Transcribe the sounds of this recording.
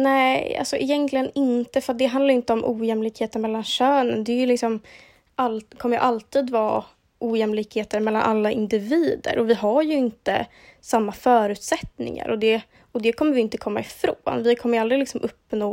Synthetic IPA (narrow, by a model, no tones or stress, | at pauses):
nɛa̰lsɔʔɪ̰jɛnkʰlɪɡənɪnt̪əfɾat̪̚d̪ɛɦand̪ajʏɪnt̪əɔmʔṵːjɛmlɪkheːt̪ənmɛlːanɕøːnənd̪ɛːjɵlɪksɔm | ʔalkʰɔmːəjɵ̰ʔalt̪iːd̪vɑː | ʔuːjɛmlɪkheːt̪əɾmɛlːa̰nʔa̰lːaʔɪnd̪ɪviːd̪ə̰ɾʔɔvɪɦaɾjɵɪnt̪ə̰ | samːafœːɾʉ̟ːt̪sɛt̪nɪ̰ŋa̰ɾɔd̪ɛ | ɔd̪ɛkʰɔmːəɾvɪɪnt̪əkʰɔmːa̰ɪfɾoːnvɪkʰɔmːəjald̪ɾɪlɪksɔmʔɵpːnoː